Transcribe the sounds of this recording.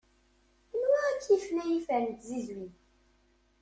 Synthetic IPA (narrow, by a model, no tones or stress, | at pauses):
nwæækʰːifnæjifænt̪zizwin